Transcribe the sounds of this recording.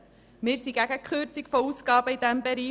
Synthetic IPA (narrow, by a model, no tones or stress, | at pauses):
mɪːɾsiɡæɡəkχøɾt͡sikfɔusɡɑːbəid̥̪æmbɛɾiː